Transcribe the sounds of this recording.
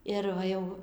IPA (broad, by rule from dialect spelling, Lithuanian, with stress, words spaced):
ɪr ˈʋɐ ˈjɛʊ